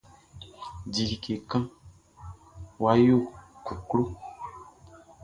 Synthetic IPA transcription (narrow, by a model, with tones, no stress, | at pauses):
di˨li˨ke˨kã˦ | wa˦jo˦˨ku˨klo˦